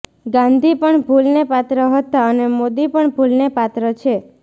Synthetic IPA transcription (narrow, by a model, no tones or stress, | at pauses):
ɡãnd̪ʱipəɳbʱulnepat̪ɾəɦət̪aənemod̪ipəɳbʱulnepat̪ɾət͡ʃʰe